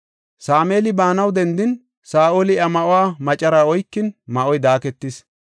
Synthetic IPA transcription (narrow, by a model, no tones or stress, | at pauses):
saːmeːlɪbaːnɐwd̪ɛnd̪ɪn | saːʔolɪɐmɐʔʊwaːmɐt͡ʃʼɐɾaːɔjkːɪnmɐʔɔjd̪aːkɛt̪ːɪs